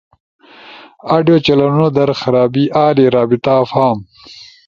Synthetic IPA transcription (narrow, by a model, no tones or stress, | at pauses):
aːɖjoːt͡ʃɐlɐnunod̪ɐɾxɐɾaːbiʔaːleɾaːbit̪afaːm